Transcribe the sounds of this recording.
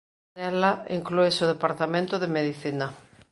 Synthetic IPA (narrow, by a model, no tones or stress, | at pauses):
ɛlaiŋkluesoðepaɾt̪amẽnt̪ʊðemeðiθina